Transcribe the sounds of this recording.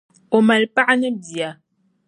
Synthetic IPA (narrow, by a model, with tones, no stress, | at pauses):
o˨ma˨lpa˦ʔa˦nɛ˦bi˨a˨